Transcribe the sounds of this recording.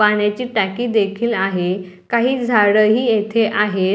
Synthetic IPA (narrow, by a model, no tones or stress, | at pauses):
aɳjat͡ɕiːʈakiːd̪ekʰiːlaɦe | kaɦiːd͡zʱaɽəɦiːjet̪ʰeʔaɦe